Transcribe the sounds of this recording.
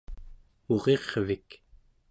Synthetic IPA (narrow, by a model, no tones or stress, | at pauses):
oʁe̞ʁvik